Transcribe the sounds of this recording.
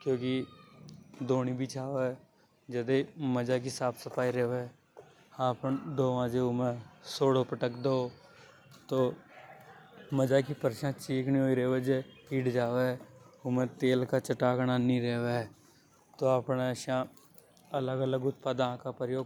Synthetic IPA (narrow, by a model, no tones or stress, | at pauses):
kjõːki | d̪oːnibʱit͡ʃʰaːʋe | d͡ʒəd̪eməd͡ʒak̬isaːpʰsəpaːiɾeːʋe | aːpənd̪oːʋãːd͡ʒeʊmẽsoːɽopəʈəkd̪oo | t̪oː | məd͡ʒakipəɾʃãːt͡ʃiːknĩoːiɾeːʋed͡ʒeiːʈd͡ʒaːʋeʊmẽt̪eːlkat͡ʃəʈaːknanĩɾeːʋe | t̪oapneʃã | ələɡələɡʊt̪̚paːd̪ãkapɾəjoːɡ